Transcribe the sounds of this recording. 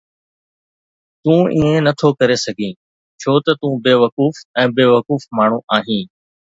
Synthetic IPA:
t̪ũːʔĩːẽnɐt̪ʰokɐɾesɐɡʱĩː | t͡ʃʰoːt̪ɐt̪ũːbeːʋəkuːfɛ̃ːbeːʋəkuːfmaːɳ̤ũʔaːɦĩː

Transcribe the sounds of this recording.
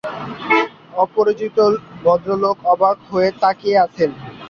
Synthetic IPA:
ɔpoɾit͡ɕit̪obɔd̪ɾolokɔbakɦoet̪akeat͡ɕʰen

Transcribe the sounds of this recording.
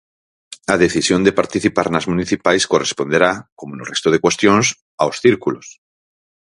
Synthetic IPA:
aðe̞θisjond̪epaɾt̪iθipaɾnazmuniθipajsko̞respo̞nd̪eɾakomonorest̪oð̞ekwe̞st̪jons | aosθiɾkulos

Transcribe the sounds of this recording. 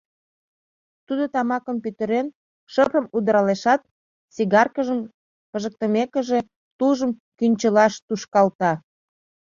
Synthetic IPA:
t̪ud̪ot̪ɑmɑkəmpyt̪əɾen | ʃəpəmud̪əɾɑleʃɑt̪̚ | siɣɑrkəʒəm | pəʒək̚t̪əmekə̆ʒe̽ | t̪uʒəmkynʲt͡ɕəlɑʃt̪uʃkɑlt̪ɑ

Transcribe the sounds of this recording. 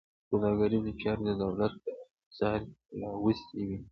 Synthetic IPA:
ped̪ɑɡaɾizət͡ʃɑɾd̪əd̪awlat̪̚ | sɑɾlɑwəst̪ewi

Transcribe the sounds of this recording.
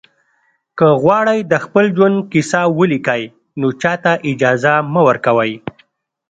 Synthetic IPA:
kəɣwɑɽəjd̪əxpəld͡ʒwand̪̚kisawəlikəj | not͡ʃɑt̪aʔɪd͡ʒɑzaməwəɾkawəj

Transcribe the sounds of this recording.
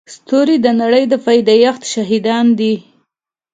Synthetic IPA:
st̪oɾid̪ənaɽəjd̪əfajd̪ajaxt̪ʃaɦid̪ɑnd̪i

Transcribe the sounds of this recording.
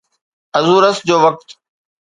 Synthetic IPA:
ɐzuːɾəsd͡ʑoːʋɐk̚t̪

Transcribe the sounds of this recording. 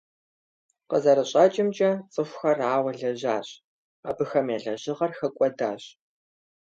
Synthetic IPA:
qəzɐɾɨɕʼɐt͡ʃʼɪmt͡ʃʼɐt͡sʼɨxʷxɐraːwɐɮɐʑaːɕ | aːbɨxɐmeːɮɐʑɪʁɐrxɐkʷʼɔda̰ːɕ

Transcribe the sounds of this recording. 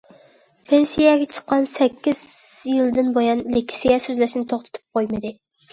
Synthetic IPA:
pʰensijɛɡʲɛt͡ʃʰə̥qːɑnsɛkʲːizjɪld̪ɪnbojɑnlekʲsijɛsøzlæʃnɪt̪ʰoχt̪ʰɨ̥t̪ʰɨ̥p̚qʰojmɨd̪ɪ

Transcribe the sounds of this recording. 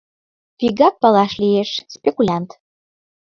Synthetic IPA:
piɡɑp̚pɑlɑʃlijeʃspʲekulʲant̪

